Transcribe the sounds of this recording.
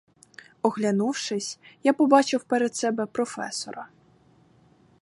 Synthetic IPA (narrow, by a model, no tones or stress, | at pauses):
ɔɣlʲanuwʂɪsʲjapɔbɑt͡ʃɪwpɛɾɛt̪sɛbɛpɾɔfɛ̰sɔ̰ɾɐ